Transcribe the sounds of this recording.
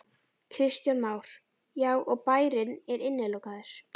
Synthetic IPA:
kʰɾɪst̪janmaːwɾ̥ | jaːɣʔɔɣpaːjɾɪnɛɾɪnːɪlowkaðɪɾ̥

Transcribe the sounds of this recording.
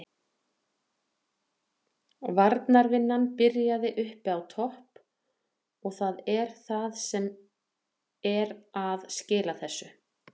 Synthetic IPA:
vaɾt̪naɾvɪnːanpɪɾjaðɪʔʏhpawt̪ʰɔhp | ɔɣθaðɛɾ̥θaðsɛm | ɛɾaðscɪːlaθɛsːʏ

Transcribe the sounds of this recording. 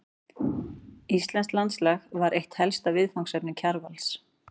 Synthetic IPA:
ist̪lɛnsk̪lant̪slɛxvaɾʔejht̪hɛlst̪avɪðfawŋksɛpnɪcʰaɾvals

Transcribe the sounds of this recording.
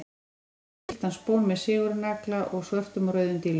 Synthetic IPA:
t̪anspoːwnmɛðsɪːɣʏɾʏnaklaʔɔɣsvœft̪ʏmɾœːɥðʏnt̪ɪl

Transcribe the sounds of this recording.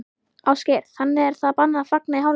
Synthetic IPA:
awscɛɾθanːɪɛɾ̥θaðapanːaafak̚naiɦaːw

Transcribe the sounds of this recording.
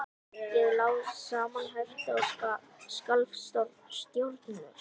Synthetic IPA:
jɛðlaːwsaːmanɦɛɾ̥t̪ɪaa | skalfst̪ɔɾst̪jowɾt̪nʏɾ̥

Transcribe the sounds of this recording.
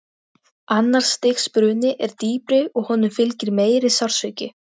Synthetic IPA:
anːaɾ̥sːt̪ɪxspɾʏːnɪʔɛɾ̥t̪iːpɾɪɔɣhɔnːʏmfɪlcɪɾmeːjɾɪsawɾ̥svœɥcɪ

